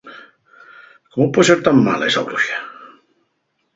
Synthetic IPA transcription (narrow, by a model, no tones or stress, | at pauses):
komopweseɾt̪amːa̰lesa̰βluʃḁ